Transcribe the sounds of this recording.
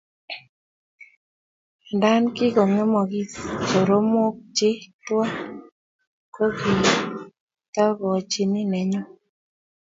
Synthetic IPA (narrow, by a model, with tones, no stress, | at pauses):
da˦nkɪ˦ɡɔ˨ŋɔ˦mɔ˨ɡi˦t͡ʃo˨ɾo˦mo˦k̚t͡ʃɪ˦twa˦ | ko˦ɡi˨ | ta˦ɡɔ˨t͡ʃi˦nɪ˦nɛ˨ɲɔ˦